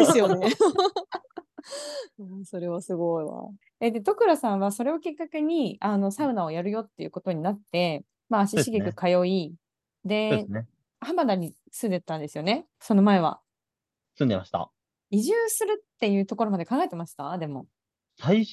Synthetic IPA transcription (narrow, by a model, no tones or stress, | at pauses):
d̪esɨjone | asoɾe̞βasɨɡoiβa̰ | ed̪e̞t̪o̞kɯ̟ɾasãɰ̃βaso̞ɾe̞o̞kʲikːake̞ɲ̟iano̞saɯ̟naojaɾɯjo̞t̪ːe̞jɯ̟ko̞t̪o̞ɲ̟inat̪ːe̞ | maɕiɕiɡʲikɯ̟kajo̞i | d̪e̞ne | hamad̪aɲ̟i | sɨ̃nd̪e̞t̪ːãnd̪e̞sɨjo̞ne̞ | so̞no̞mae̞β̞a̰ | sɨ̃nd̪ema̰ɕi̥t̪a̰ | iʑɨːsɨɾɯ̟t̪ːe̞jɯ̟ːt̪o̞ko̞ɾo̞mad̪e̞kãŋɡaet̪e̞maɕi̥t̪ad̪e̞mo̞ | sai